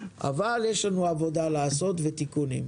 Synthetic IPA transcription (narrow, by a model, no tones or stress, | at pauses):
ʔa̰valjeʃlanuavo̞dalaːso̞t̪vet̪ikunḭm